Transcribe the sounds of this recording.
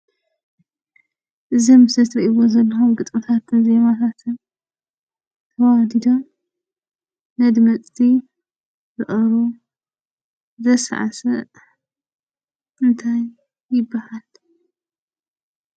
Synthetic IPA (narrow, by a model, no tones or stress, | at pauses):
ʔɨzɐmsɐt̪ɾɐʔiβozɐlːɐxumɡɨt̪ʼmɨt̪ʰat̪ʰɨnzemat̪ʰat̪ʰɨn | t̪ʰɐwad̪id̪om | nɐd̪mɐt͡sʼt̪ʰi | zɨʔʼɐɾu | zɐsʕa̰sɐ | ʔɨnt̪ʰajː | ɪbːahal